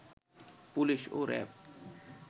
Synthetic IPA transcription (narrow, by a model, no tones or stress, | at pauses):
puliʃo̰ɾɛ̰b̚